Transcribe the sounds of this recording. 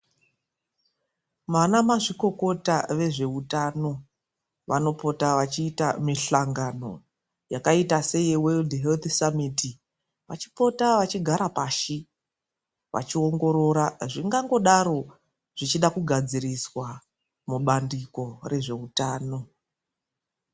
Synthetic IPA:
manamaʐiko̞ko̞taʋe̞ʐe̞utano̞ | ʋano̞po̞taʋat͡ʃiːta̰miɬaŋɡano̞̰ | jakaitase̞jewe̞ldɦelt̪samiti | ʋat͡ʃi̥po̞taʋat͡ʃiɡʱaɾapaːʃi | ʋa̰t͡ʃio̞ŋɡo̞ɾo̞ɾaʐiŋɡaŋɡo̞ɗaɾo̞ | ʐ̥it͡ʃiɗakuɡʱad͡ziɾiswa | muɓandiko̞re̞ʐe̞utaːno̞

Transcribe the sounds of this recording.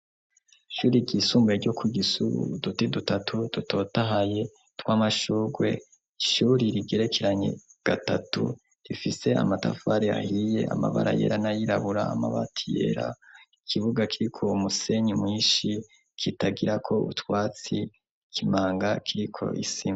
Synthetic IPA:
ʃuːɾiɟisuːmbeɾɟo̞kʰuɡisuβṵdutedutatʰud̥uto̞taɦaje | twaːmaʃuːɡwe̞̰ | iʃuːɾiɾiɡe̞ɾe̞kʰe̞ɾaɲe̞̰ɡ̥atatṵ | ɾifise̞a̰mata̰faɾea̰hije̞̰a̰ma̰βa̰ɾa̰je̞̰ɾanajiɾaβuɾa̰ːmaβa̰tʰijḛɾa̰ikʰiβuɡakʰiɾikʰo̞umuse̞ɲimŋiːʃi | kʰitaɡiɾakʰo̞ṵtwaːt͡si | kʰimaːŋɡakʰiɾikʰo̞̰ʔḭsima

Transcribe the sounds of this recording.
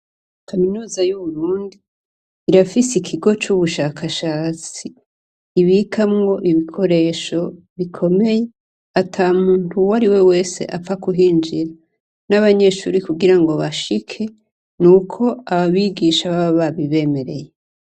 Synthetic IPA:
kaminuːzajuβuɾuːndiː | ɾafisikʰiɡo̞t͡ʃuβuʃakʰaʃaːt͡siː | βikʰamŋo̞ʔiβikʰo̞ɾe̞ːʃo̞ | βikʰo̞me̞je̞ | atʰamuːn̥huwaɾiwe̞we̞ːse̞̰ʔafakuɦiːnd͡ʒiɾa | naβaɲe̞ʃṵːɾikuɡiɾaŋɡo̞βaʃikʰe̞ | nuːkʰo̞aβaβiɡiʃaβaβaβaβiβe̞ːme̞ɾe̞̰je

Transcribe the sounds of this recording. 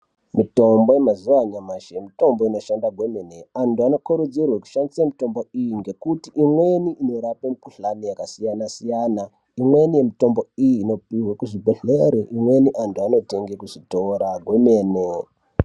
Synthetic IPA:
mito̞mbojemazuaɲamaʃemito̞mboino̞ʃandaɡʱwe̞me̞ne̞antuano̞koɾud͡zirwaku̥ʃandisamito̞mbo̞ijiŋɡe̞kutiʔimwe̞niʔino̞ɾapemukuɬanijakasijanasijaːna | imwe̞nije̞mito̞mbo̞ijiːno̞piwakuʐibʱoɬeɾiʔimwe̞niʔantuano̞te̞ŋɡekuʐitoːɾaɡʱwe̞me̞ːne

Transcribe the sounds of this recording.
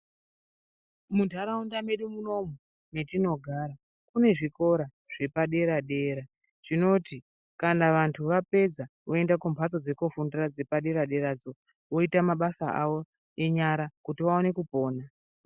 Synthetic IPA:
muntaɾaundame̞ɗumuno̞mu | ne̞tino̞ɡʱaːɾa | kune̞ʐiko̞ɾa | ʐ̥e̞paɗe̞ɾaɗe̞ːɾa | ʐ̥ino̞ti | kanaʋantʰuʋape̞d͡zaʋo̞e̞ndakumpʰat͡so̞d͡ze̞kofundirad͡ze̞paɗe̞ɾaɗe̞ɾad͡zo̞ | ʋo̞itamaɓasaʔaʋo̞ | e̞ɲaɾakutiʋao̞ne̞kupo̞ːna

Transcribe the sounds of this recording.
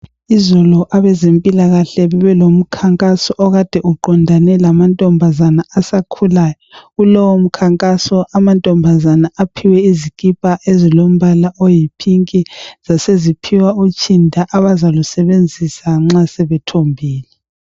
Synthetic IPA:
izɔlɔʔaβɛzempʼilaɣaɬɛβɛβɛlom̩kʰaŋkʼasɔʔɔɣad̥ʱɛʔuǃɔndʱanɛlamantʼɔmbʱazanaasakʰulaːjɔɣulɔwom̩kʰaŋkʼasɔʔamantʼɔmbʱazanaapʰiwɛizikʼipʼaʔezilom̩βalaʔojipʰiŋkʼiz̥asezipʰiwaut͡ʃʼindʱaʔaβazalusɛβend͡zʱisaŋ͡ǁasɛβɛtʰombʱiːlɛ

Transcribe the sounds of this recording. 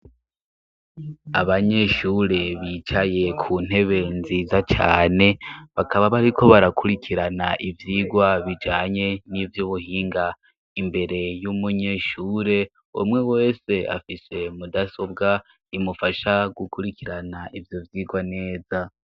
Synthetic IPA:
a̰βaɲe̞ʃuɾe̞βit͡ʃaje̞kʰun̥e̞βe̞nziːzat͡ʃa̰ːne̞βakaβaβaɾikʰo̞βaɾakʰuɾikʰiɾanaʔivjiːɡwaβid͡ʒaːɲe̞nivjuβuhiːŋɡa | imbe̞ɾe̞jumuɲeʃuːɾe̞ | umŋe̞we̞ːse̞a̰fise̞mudaso̞bɡa | imufaʃaɡukuɾikʰiɾanaʔivjo̞vjiːɡwane̞ːza

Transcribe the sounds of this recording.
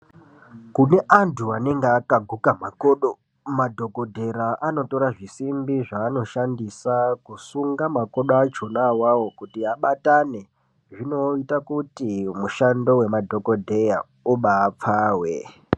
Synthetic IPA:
kune̞ʔantʰuane̞ŋɡeakaɡʱukamakoɗo | madʱo̞ko̞dʱe̞ɾaʔano̞to̞ɾaʐisimbiʐaːno̞ʃandisakusuŋɡamako̞ɗat͡ʃo̞nawawo̞kutiaɓatane̞ | ʐino̞itakutimuʃando̞we̞madʱo̞ko̞dʱeja | uɓaːp͡faːwe

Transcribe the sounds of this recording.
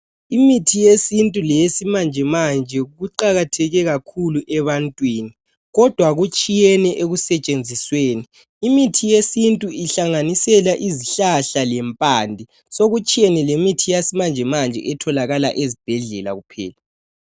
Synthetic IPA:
imitʰijesintʼulɛesimand͡ʒʱɛmand͡ʒʱɛuɣuǃaɣatʰɛɣɛɣakʰuluʔɛβantʼwiːni | ɣɔd̥ʱwaɣut͡ʃʼijɛnɛʔeɣusɛt͡ʃʼend͡zʱisweːniː | mitʰijesintʼuiɬaŋanisɛlaʔiziɬaɬalɛmpʼandʱi | soɣut͡ʃʼijɛnɛlemitʰijasimand͡ʒʱɛmand͡ʒʱɛ̰ʔɛtʰɔlaɣala̰ʔezib̥ʱɛɮɛla̰ɣupʰɛ̰ːla

